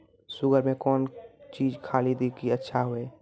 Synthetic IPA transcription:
sʊɡəɾmẽkɔːnt͡ʃiːd͡ʒkʰaːlid̪ikiətːʃʰaɦoeː

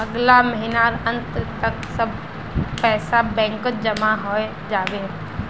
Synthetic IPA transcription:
ɐɡlaməɦinaɾə̃nt̪t̪ɐksɐbʱ | pɛːsabɛ̃ːŋkət̪̚d͡ʒɐmaɦoːe | d͡ʒaːʋe

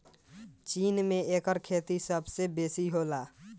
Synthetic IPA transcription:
t͡ʃinmeekəɾkʰet̪isəbsebesiɦola

